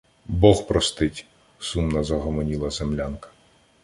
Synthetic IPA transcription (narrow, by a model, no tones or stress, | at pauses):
bɔhpɾɔst̪ɪtʲ | sumnɐzɐɦɔmɔnʲilˠɐzemlʲankɐ̥